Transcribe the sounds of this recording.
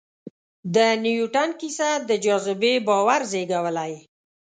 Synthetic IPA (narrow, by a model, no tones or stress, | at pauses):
d̪ənijuʈankisad̪əd͡ʒɑzɪbebɑwaɾzeɡawəlaj